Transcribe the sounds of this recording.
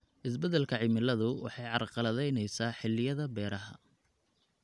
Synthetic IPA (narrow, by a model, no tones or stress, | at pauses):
ʔɪsbɛðɛlkʰɐʕɪmɪlɐðʊwɑ̰ħɑjʕɑrqɑlɐðɛjnɛjsaːħɪlːɪjɐðɐbɛːɾɐɦɐ̰